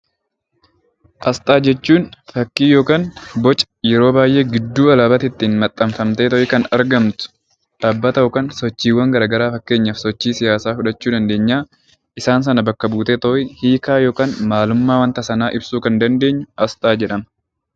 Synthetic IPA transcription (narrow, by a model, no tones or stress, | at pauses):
ʔɐst̪ʼaːd͡ʒɛt͡ʃːuːnfɐkːiːjo̞ːkaːnbɔt͡ʃʼɐ̥jɛɾo̞ːbaːjʔe̞ːɡɪd̪ːuːɐlɐbɐt̪ɪt̪ːiːnmɐt̪ʼːɐmfɐmt̪e̞ːt̪ɔʔɪkɐnɐɾɡɐmt̪ʊ̥ | ᶑaːbːɐt̪ɐʔʊkɐnsɔt͡ʃːiːwːɐŋɡɐɾaːɡɐɾaːfɐkːe̞ːɲːafsɔt͡ʃːiːsɪjaːsaːfʊᶑɐt͡ʃːuːd̪ɐnd̪e̞ːɲːaː | ʔɪsaːns̬ɐnɐbɐkːɐbuːt̪eːt̪ɔʔɪhiːkaːjo̞ːkaːnmaːlʊmːaːwɐnt̪ɐsɐnaːʔɪbsuːkɐnd̪ɐnd̪e̞ːɲːʊɐst̪ʼaːd͡ʒɛᶑɐmɐ